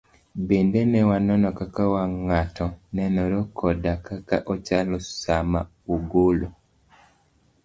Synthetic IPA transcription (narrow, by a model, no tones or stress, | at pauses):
bendenɛwanɔnɔkakawaŋatɔnɛnɔɾɔkʰɔdakaka̰ʔɔt͡ʃalɔsama̰ | uɡolo